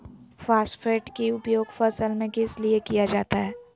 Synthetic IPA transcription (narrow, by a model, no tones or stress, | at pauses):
faːsʈfʰeːʈkiʊpjoːɡfɐsəlmẽkɪsliekijad͡ʒaːt̪aɦɛː